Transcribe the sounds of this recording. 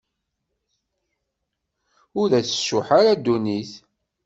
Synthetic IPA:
ʊɾðæθə̥sːʊħaɾad̪ːuniθ

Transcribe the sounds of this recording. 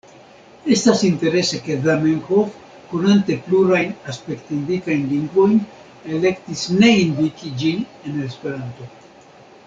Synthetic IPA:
e̞stasint̪e̞ɾe̞se̞ke̞ðameŋhof | konant̪e̞pluɾajnaspe̞kt̪indikajnliŋɡvo̞jn | ele̞kt̪isne̞ind̪ikid͡ʒine̞nespe̞ɾant̪o̞

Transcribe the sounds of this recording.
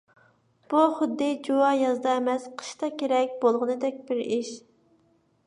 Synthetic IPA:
b̥uχʊd̪ːɪd͡ʒuwɑjɑzd̪ɑemɛsqʰə̥ʃt̪ɑkʲʰeɾɛkʲbolˠʁənɨd̪ɛk̚ʲbɪɾiʃ

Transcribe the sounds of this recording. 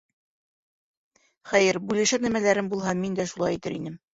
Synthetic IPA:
χæjɘɾbʉlɘ̆ʃæɾnæmælæɾɘmbulˠɦɑmind̪æʃulˠɑ̰jit̪ɘɾḭnɘm

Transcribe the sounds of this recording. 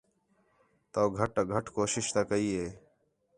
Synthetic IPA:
t̪ɐːɡʱɐʈɐɡʱɐʈkoːʃɪʃt̪aːkɐiːeː

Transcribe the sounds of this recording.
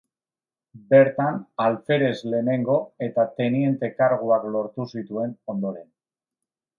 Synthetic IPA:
be̞ɾt̪analfe̞ɾe̞zle̞ːne̞ŋɡo̞e̞t̪at̪e̞nie̞nt̪e̞kaɾɣ̞uaklo̞ɾt̪usit̪ue̞no̞nd̪o̞ɾe̞n

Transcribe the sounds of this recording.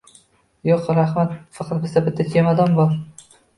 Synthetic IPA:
joqɾaχmat̪fɑqʰɑt̪̚bɪzd̪abɪt̪ʰːak̪ʰʲemad̪ɒmbɒlˠ

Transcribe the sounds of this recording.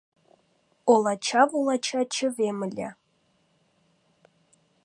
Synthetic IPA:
olˠɑt͡ɕʰɑvulˠɑt͡ɕʰɑt͡ɕʰə̆vemɘ̆lʲḛ

